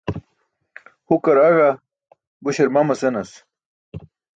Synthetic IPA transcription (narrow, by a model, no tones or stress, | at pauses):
hukɐɾɐɣa | buɕeɾmɐmɐsenɐs